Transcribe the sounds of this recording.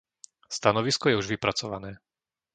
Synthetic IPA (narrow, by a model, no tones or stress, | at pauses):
st̪anɔʋiskɔjɛuʒʋipɾat͡sɔʋa̰nɛː